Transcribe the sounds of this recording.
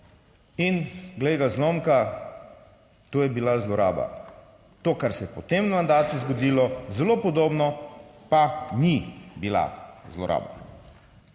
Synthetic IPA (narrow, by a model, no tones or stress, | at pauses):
inɡleɡazloːmka | t̪oːjɛbilazlɔɾa̰ːba̰ | t̪oːkaɾsɛjɛpɔt̪emmand̪aːt̪uzɡɔd̪iːlɔzɛloːpɔd̪oːbnɔpanibila̰zlɔ̰ɾʔa̰ːba̰